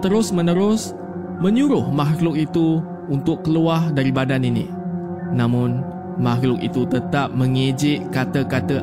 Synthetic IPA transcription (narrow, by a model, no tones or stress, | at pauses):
t̪əɾʊsmə̃nəɾʊs | mə̃ɲuɾʊhmaɦlʊk̚it̪u | unt̪ʊkːəluahdaɾibadaninḭ | nãmʊ̃n | maɦlʊk̚ḭt̪ut̪ət̪ap̚mə̃ŋed͡ʒɪʔkat̪əkat̪ə